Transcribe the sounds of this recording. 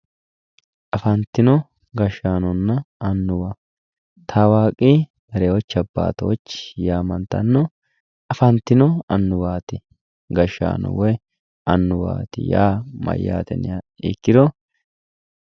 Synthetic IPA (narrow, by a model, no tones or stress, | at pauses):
ʔɐfɐnt̪ːɪnɔ | ɡɐʃːaːnɔnːɐɐnːʊwa | t̪ʰaːwaːkʼːi | b̪ɐɾɛwɔt͡ʃːɐbːa̰ːt̪ɔwɔt͡ʃːjaːmɐnt̪ːɐ̰nːɔ | ʔɐfɐnt̪ːɪnɔɐnːʊwaːt̪ɪ | ɡɐʃːa̰ːnɔ̰wɔj | ʔɐnːʊwa̰ːt̪ɪ̰jaːmɐ̰jːa̰ːt̪ɛ̰nɪ̰ja | ɪ̰kːɪd̪ɔ